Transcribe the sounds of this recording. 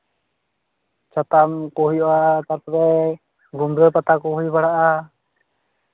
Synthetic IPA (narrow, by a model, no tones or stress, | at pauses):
t͡ʃat̪amkɔɦujɔat̪aɾp̪ɾɛ | ɡumd̪ɾɔpat̪akuɦujbaɽaʔa